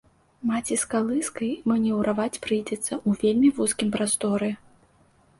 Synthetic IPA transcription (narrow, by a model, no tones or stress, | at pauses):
mat͡sʲiskalˠɨskɐjimɐnʲɛwɾʔavat͡sʲpɾɨjd͡zʲɛt̪sːɐʔuvʲelʲmʲivuskʲimpɾast̪ɔɾɨ